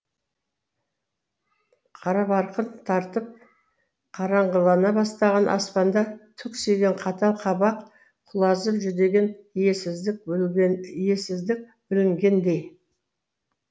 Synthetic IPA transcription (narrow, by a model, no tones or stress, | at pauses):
qʰɑɾɑpɑɾqənt̪ʰɑɾt̪əp̚ | qʰɑɾɑɴʁəlˠɑnɑbɑst̪ɑʁɑnʔɑ̰spɑnd̪ɑt̪ʰʏkse̞ɡʲe̞ɴqʰɑt̪ɑlˠqʰɑbɑq | qʰʊlˠɑzəlʒʏd̪e̞ɡʲe̞njesɪzɪk̚ | je̞sɪzd̪ɪk̚ | b̥ɪlɪŋɡʲe̞nd̪e̞j